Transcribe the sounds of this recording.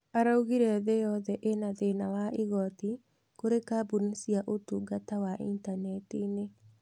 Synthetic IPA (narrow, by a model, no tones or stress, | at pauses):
aɾauɣiɾɛðejɔðɛʔenaðenawaʔiɣɔt̪i | koɾekabunisiaʔotuɡatawaʔḭntanɛtine